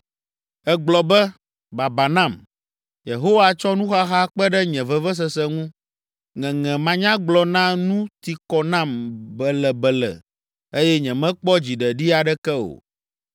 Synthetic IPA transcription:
ɛ˦ɡ͡blɔ˨bɛ˦ | ba˨ba˨nã˦˨m | je˨ɦo˦wa˨t͡ʃɔ˦nũ˦xa˦xa˦k͡pɛ˦ɖɛ˦ɲɛ̃˨vɛ˦vɛ˦s̬ɛ˦sɛ˦ŋũ˦ | ŋɛ̃˨ŋɛ̃˨mã˨ɲã˦ɡ͡blɔ˨nã˦nũ˦t̪i˨kɔ˨nã˦˨mbɛ˨lɛ˨bɛ˨lɛ̰˨ | e˦jɛ˦ɲɛ̃˨mɛ̃˦k͡pɔ˦d͡ʑi˨ɖɛ˨ɖi˦a˨ɖɛ˦kɛ˦o̰˨

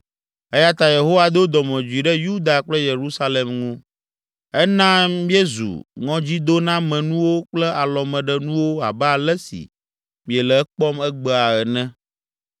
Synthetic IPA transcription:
ɛ˦ja˦t̪a˦˨je˨ɦo˦wa˦d̪o˦d̪ɔ˨mɛ̃˨d͡ʒu˨i˨ɖɛ˦ju˦d̪a˨k͡plɛ˦je˨ɾu˦sa˦le˨mŋũ˦ | ɛ˦nã˦mĩ˦e˦zṵ˨ŋɔ̃˦d͡ʑi˦d̪o˦nã˦mɛ̃˨nũ˦wo˦k͡plɛ˦a˨lɔ˨mɛ̃˨ɖɛ˦nũ˦wo˦a̰˨bɛ˦a˨lɛ˦sḭ˨ | mĩ˨ɛ˨lɛ˨ɛ˦k͡pɔ˦mɛ˦ɡ͡bɛ˦a˨ɛ˨nɛ̃˦

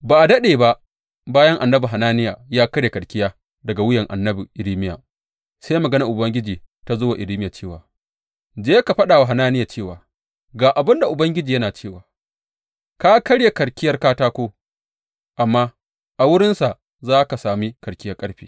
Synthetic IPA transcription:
baː˨ʔa˨dɐ˦ɗeː˨ba˦ʔ | baː˦jɐ˦ŋʔa˨nːɐ˦bu˨ɦa˨naː˦nɪ˦jaː˨jaː˦kɐ˦ɽje˨kɐ˨ɽkʲɪ˦jaː˦ | dɐ˨ɡa˨wʊ˦jɐ˨ŋʔa˨nːɐ˦bu˨ʔɪ˨ɾiː˦mɪ˦ja̰ː˨ | saː˦jmɐ˨ɡɐ˦na˨ʔʊ˨bɐ˦ŋɡʲɪ˦d͡ʒiː˨ | ta˨zoː˦wa˨ʔɪ˨ɾiː˦mɪ˦jaː˨t͡ʃeː˦˨waː˨ | d͡ʒeː˦ka˨ɸɐ˦ɗaː˨wa˨ɦa˨naː˦nɪ˦jaː˨t͡ʃeː˦˨waː˨ | ɡaː˨ʔa˨bɪ˦nda˨ʔʊ˨bɐ˦ŋɡʲɪ˦d͡ʒiː˨jɐ˦naː˨t͡ʃeː˦˨waː˨ | ka˦kɐ˦ɽje˨kɐ˨ɽkʲɪ˦jɐ˦rkaː˦taː˦kʷoː˦ | ʔa˨mːaː˦ | ʔa˨wʊ˦ɽɪ˦nsa˨ʔ | zaː˦ka˨saː˨mi˦kɐ˨ɽkʲɪ˦jɐ˦rkʼɐ˦ɽɸḭː˦

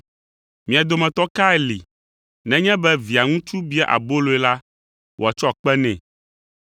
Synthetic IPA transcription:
mĩ˨a˨d̪o˨mɛ̃˨t̪ɔ˦ka˦ɛ˦li˨ | nɛ̃˦ɲɛ̃˦bɛ˦vi˨a˨ŋũ˦t͡ʃu˦bi˦ɛ˦ʔa̰˨bo˦lo˨ɛ˦la˦ | wo˨a˨t͡ʃɔ˦a˨k͡pɛ˦nɛ̰̃˨

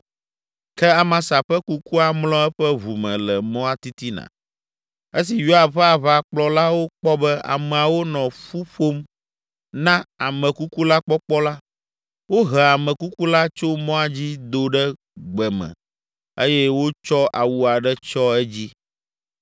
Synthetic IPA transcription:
kɛ˦a˨mã˨sa˨ɸɛ˦ku˦ku˦a˨mlɔ̃˦ɛ˦ɸɛ˦βu˨mɛ̃˨lɛ˨mɔ̃˦a˦t̪i˦t̪i˦nã̰˨ | e˦si˨jo˦a˨ɸɛ˦a˨βa˦˨k͡plɔ˦la˦wo˦k͡pɔ˦bɛ˦a̰˨mɛ̃˨a˨wo˦nɔ̃˨ɸu˦ɸo˦m | nã˦a˨mɛ̃˨ku˦ku˦la˦k͡pɔ˦k͡pɔ˦la˦ | wo˦ɦɛ˨a˨mɛ̃˨ku˦ku˦la˦t͡ʃo˦mɔ̃˦a˦d͡ʑi˦d̪o˨ɖɛ˦ | ɡ͡bɛ˨mɛ̰̃˨ | e˦jɛ˦wo˦t͡ʃɔ˦ʔa˨wu˦a˨ɖɛ˦t͡ʃɔ˦ɛ˦d͡ʑi˦

